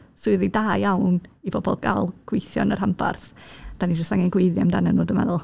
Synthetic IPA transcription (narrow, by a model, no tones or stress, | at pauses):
sʊɨðidaːjjawnibɔbɔ̰lˠɡʰa̰lˠɡ̥wejθjɔ̰nər̥hampʰa̰rθd̥anid͡ʒɔstaŋanɡweɨðja̰mdanənoːdəmɛ̰ðʊlˠ